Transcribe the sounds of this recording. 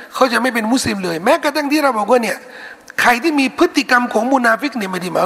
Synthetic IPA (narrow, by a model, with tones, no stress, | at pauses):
kʰa˥˩wt͡ɕa˨˩ʔma˥˩jp̬e˧nmu˦˥˩sli˧mlɤː˧jmɛː˦˥ka˧˥˩t̪ʰa˧˥˩ŋt̪ʰiː˥˩ɾa˧wbɔː˨˩k̚waː˥˩ni˥˩ə | kʰa˧jt̪ʰiː˥˩miː˧pʰɯ˦˥t̪ːi˨˩ka˧mkʰɔː˩˦ŋmuː˧naː˧fi˦˥k̚ni˧˩˨ma˧˥˩da˧˩maː˨˦˥